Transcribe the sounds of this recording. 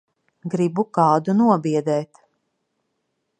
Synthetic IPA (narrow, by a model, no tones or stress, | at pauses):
ɡɾibukɑːd̪unuɔbiɛd̪ɛːt̪